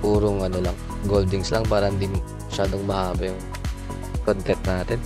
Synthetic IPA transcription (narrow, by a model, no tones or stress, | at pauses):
ʔuːɾoŋɐnolɐŋ | ɡold̪ɪŋslɐŋpaːɾɐʔɐnd̪ɪn | mɐʃaːd̪oŋmɐhaːbɐjʊŋ | kont̪ɛnt̪̚naːt̪ɛn